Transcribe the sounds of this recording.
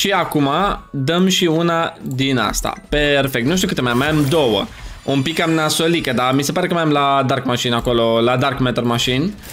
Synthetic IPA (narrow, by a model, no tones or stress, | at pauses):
ʃiakumad̪əmʃiunad̪ina̰st̪a̰pe̞rfek̚t̪nuʃt̪ukɨt̪emajamːajamd̪o̞wə̰ | umpikːamnasolikəd̪amise̞paɾe̞kəmajamlad̪arkmaʃinako̞lo̞lad̪arkmet̪ermaʃin